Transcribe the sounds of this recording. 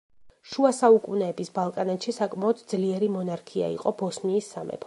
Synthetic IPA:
ʃuasaukʼunɛːbisbalˠkʼanat̪ʃisakʼmaɔd̪d̪zliɛɾimɔnaɾkʰia̰ḭqʼɔbɔsniːsːamɛ̰pʰ

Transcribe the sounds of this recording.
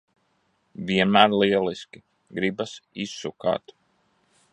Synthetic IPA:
viɛnmæːɾliɛliskʲi | ɡɾibasisːuka̰ːt̪

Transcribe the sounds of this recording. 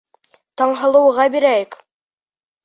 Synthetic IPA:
t̪ɑɴɦɤ̆lˠɤ̆wʁɑbiɾæjɘk

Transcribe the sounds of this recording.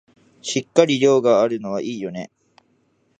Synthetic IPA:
ɕikːaɾʲiɾʲo̞ːɡaaɾɯ̟no̞βaʔiːjo̞ne̞

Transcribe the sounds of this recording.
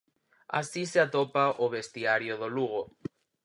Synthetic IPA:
a̰siseat̪opaʔoβest̪iaɾjoðoluɣ̞o

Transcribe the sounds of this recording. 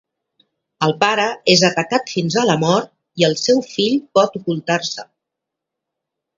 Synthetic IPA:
əlˠpaɾəezət̪əkat̪finzaləmɔɾt̪̚ | iəlˠsɛwfiʎpɔt̪ukulˠt̪arsə

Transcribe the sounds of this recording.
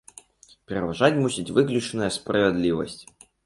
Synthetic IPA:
pʲɾʲɪvɐʐatʲmusʲitʲvɨklʲʊt͡ʃənəjəspɾəvʲɪd̪lʲivə̰sʲtʲ

